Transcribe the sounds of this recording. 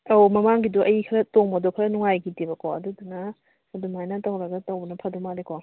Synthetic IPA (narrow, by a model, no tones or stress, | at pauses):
owmɐmaŋɡiduʔɐjikʰɾɐtoŋmɐdokʰɾɐnuŋajɡitibɐkɔɐdudunɐ | dumajnɐtɐwɾɐɡɐtɐwbɐnɐpʰɐdumaleko